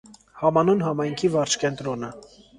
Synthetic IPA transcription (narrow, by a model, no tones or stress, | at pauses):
hɑmɑnunɦɑmɑjŋkʰivɑɾt͡ʃʰkɛnt̪ɾɔnə